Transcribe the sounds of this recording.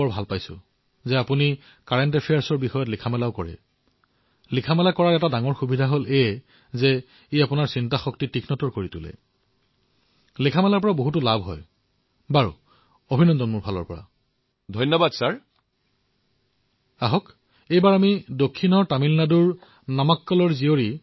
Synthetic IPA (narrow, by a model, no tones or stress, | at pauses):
ɔɹbʱalpajsʊ̰ | zɛapuni | kaɹentepʰijaɹsɔɹbixɔjɔtlikʰamɛlaʊkɔɹɛ̰ | likʰamɛlakɔɹaɹɛtadaŋɔɹxubidʱaɦole | zɛ | iapunaɹsintaxɔk̚titikʰnɔtɔɹkoɹitʊlɛ̰ | likʰamɛlaɹpɔɹaboɦutʊlabʱɦɔ̰j | baɹṵ | obʱinɔndɔnmuɹpalɔ̰ɹpɔ̰ɹa̰ | dʱɔjnːɔbadsaɹ | aɦɔk | ejbaɹamidokʰːinɔɹtamilnaduɹ | namakːɔlɔɹzioɹi